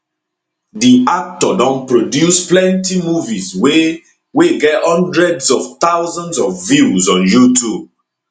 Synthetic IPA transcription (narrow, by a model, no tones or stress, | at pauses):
diak̚tɔdɔ̃npɹodjusplɛ̃ntimuviswe | weɡɛthɔ̃ndɹɛdsɔft̪awzɔ̃nsɔvvizɔ̃njutub̚